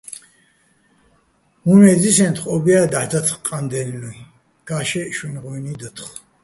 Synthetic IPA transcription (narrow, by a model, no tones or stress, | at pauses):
humɛd͡zisɛ̃nt̪ʰχʼɔbiad̪aħd̪at̪ʰχqʼand̪ɛnlu | ɡ̥aʃɛʃunʁɔnid̪ət̪ʰχ